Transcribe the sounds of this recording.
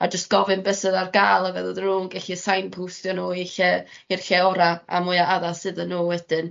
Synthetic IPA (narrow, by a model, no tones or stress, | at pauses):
ad͡ʒəst̚ɡ̥ɔvɨnbɛsəðarɡaːlˠavɛðəðɪnuːnɡɛɬisajnpʰuwstjɔnoːiɬɛ | ɪrɬɛɔɾaa̰mʊɨaaðasɨðənːoːwɛd̥ɨn